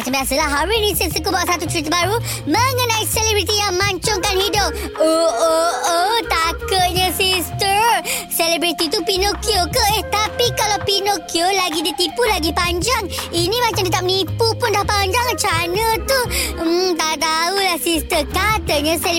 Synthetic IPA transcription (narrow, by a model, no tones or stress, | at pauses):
mat͡ʃambiasəlahɦaɾʊsnisətsəkobaʔsat̪ut͡ʃəɾit̪̬əbaɾu | məŋənaiselebɾit̪ijaŋmaɲt͡ʃʊŋkanhidʊp̚oʔoət̪akət̪̚ɲə̃sist̪əselebɾit̪it̪upinokiokəɪht̪apikalawpinokiolaɡidit̪ipulaɡipaɲd͡ʒaŋinimat͡ʃamdit̪ap̚nipupʊndahpaɲd͡ʒaŋt͡ʃanət̪u | t̪aʔt̪aulahsist̪əkat̪əɲə̃sel